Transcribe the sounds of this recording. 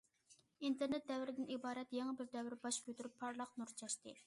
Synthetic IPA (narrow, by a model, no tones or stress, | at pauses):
int̪ʰeɾnɛt̪̚d̪ɛwɾɪd̪ɪnibɑːɾɛt̪jeŋɨbɪɾd̪ɛwɪɾbɑʃkʰʲøt̪yɾypʰːɑɾlˠɑqnuɾt͡ʃʰɑʃt̪ɨ